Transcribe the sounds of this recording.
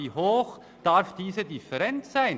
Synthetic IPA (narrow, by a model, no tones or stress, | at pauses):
iːhoːx | d̥aɾfd̥iːzədɪfəɾɛntsaɪn